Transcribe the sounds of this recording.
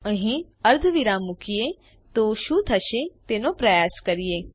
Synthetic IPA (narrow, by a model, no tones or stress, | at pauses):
ə̃ɦĩ | ɐɾd̪ʱʋiɾamʊkie | t̪oʃut̪ʰɐʃet̪eːnõpɾɐjaːskɐɾijeː